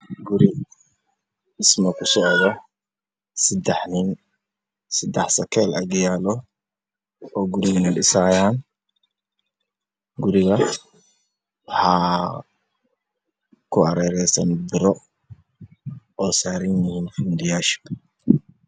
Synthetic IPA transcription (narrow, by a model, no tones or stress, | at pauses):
ɡʊɾɪ | ɪsmɐkʰʊsɔʔðɔ | sɪd̪ɛħnin | sɪd̪ɛħsɐkʰɛːlɐɡjaːlɔ | ɔːɡʊɾɪɣɐnɪɗɪsaːjaːn | ɡʊɾɪɣɐ | wħa | kʰʊɐɾɛːɾɛsɐ̰nb̪ɪɾɔ | ʔɔːsaːɾɪnjɪhiːnfuːnd̪ɪjaːʃɔ̥